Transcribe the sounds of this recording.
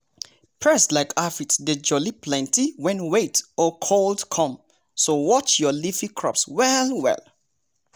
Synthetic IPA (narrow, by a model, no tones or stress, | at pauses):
pʰɹɛslaɪkafitded͡ʒɔliplɛ̃ntiwɛ̃nweɪtɔkʰoldkʰɔ̃m | sowɔt͡ʃjɔlifĩkʰɹ̥ɔ̰pswɛlwɛ̰l